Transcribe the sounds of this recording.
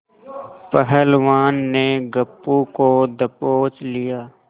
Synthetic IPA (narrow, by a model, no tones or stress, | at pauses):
pɛɦɛlʋaːnːeɡəpːukod̪ɐpoːt͡ʃlijaː